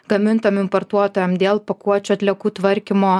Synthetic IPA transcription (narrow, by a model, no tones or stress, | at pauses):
ɡ̥ɐmʲɪnt̪ɐmɪmpoɾt̪uɔt̪oːjɛmd̪ʲeːlˠpɐkuɔt͡ʃʲuɐt̪ʲlʲɛkuːt̪ʋɐɾʲkʲimoː